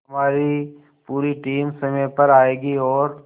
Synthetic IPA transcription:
ɦɐmaːɾi | puːɾiʈiːmsɐmẽpɐɾaːeːɡiɔːɾ

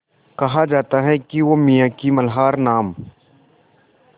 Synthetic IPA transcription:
kɐɦad͡ʒaːt̪aɦɛkiʋomijãkimɐlɦaːɾnaːm

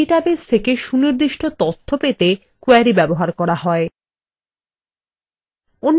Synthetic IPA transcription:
iʈabest̪ʰekeʃuniɾd̪iʃʈʰot̪ot̪ʰːopet̪e | kuaɾibɛboɦaɾkɔɾahɔe | onː

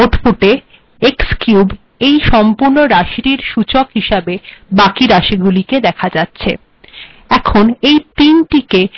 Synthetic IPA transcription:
oʈpuʈe | ekskjub | ejʃɔmpuɾnoɾaʃɾiɾʃut͡ɕokɦiʃabebakiɾaʃiɡuliked̪ɛkʰad͡ʑatːɕʰe | ɛkʰonejt̪inʈike

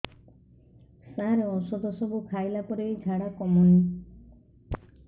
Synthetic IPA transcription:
sãɾeɔsɔd̪ɔsɔbukʰajlapɔɾejd͡ʒʱaɽakɔmɔni

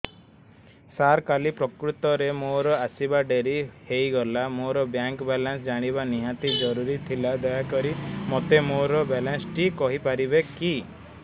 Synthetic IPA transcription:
saɾkalipɾɔkɾut̪ɔɾemoɾɔasibaɖeɾihejɡɔlamoɾɔbjaŋkbɛlansd͡ʒaɽ̃ibaniɦat̪id͡ʒɔɾuɾit̪ʰilad̪ɔjakɔɾimɔt̪emoɾɔbɛlansʈikɔɦipaɾibeki

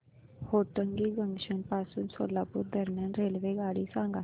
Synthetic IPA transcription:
hoːʈəŋɡiːɡəŋɡʃənpaːsunsoːlaːpʊɾd̪əɾmjãːnɾeːlʋeːɡaːɽiːsãːŋɡa

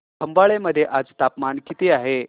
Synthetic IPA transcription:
k̪ʰəmbaɭeməd̪ʱːjeʔad͡zt̪apmankit̪iaɦe

